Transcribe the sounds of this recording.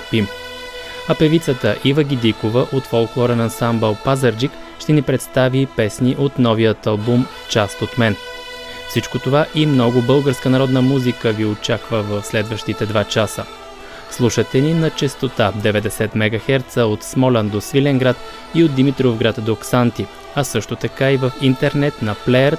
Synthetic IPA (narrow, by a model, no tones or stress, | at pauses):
pim | ɐpɛvit̪sət̪əʔivəɡ̟ʲid̪ikovəʔot̪folˠklˠɔɾənɐnsambəlˠpazəɾd͡ʒik | ʃt̪ɛnipɾɛt̪st̪avipɛsniʔot̪nɔvijət̪ɐlˠbumft͡ʃast̪ot̪mɛn | fsit͡ʃkot̪ovaʔimnɔɡʊbɤlˠɡəɾskənɐɾɔd̪nəmuzikəviot͡ʃakvəvəfslɛd̪vəʃt̪it̪ɛd̪vat͡ʃasə | slˠuʃət̪ɛninɐt͡ʃɛst̪ot̪ad̪ɛvɛd̪ɛsɛt̪mɛɡɐxɛɾt̪səot̪smɔland̪osvilʲɛŋɡɾat̪ | iod̪d̪imit̪ɾovɡɾat̪d̪oksant̪i | ɐsɤʃt̪ot̪ɐkaivəfint̪ɛɾnɛt̪nɐplɛɛɾ